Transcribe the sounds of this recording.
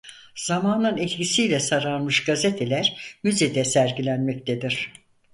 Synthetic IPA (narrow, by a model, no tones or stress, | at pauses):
z̥amaːnɯnɛt̪cisijlʲɛsaɾaɾmɯʃɡazet̪ʰelʲæɾmyzed̪ɛsæɾɟilʲænmɛc̚t̪ʰed̪iɾ̥